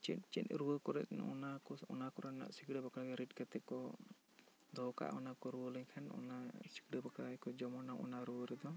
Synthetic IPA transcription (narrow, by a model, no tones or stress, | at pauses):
t͡ʃɛtt͡ʃɛtɾuwəkɔɾɛ̰t̪̚n̰ɔ̰nakɔɔnakɔɾana̰ʔsikɽəbakaɽɡɛɾiʈ̚kat̪ɛkɔ | d̪ʱɔka̰ʔɔnakɔɾuwələɲkʰanɔ̰nasi̥kɽəbakakɔd͡ʒɔmɔnaʔɔ̰naɾuwəɾɛd̪ɔ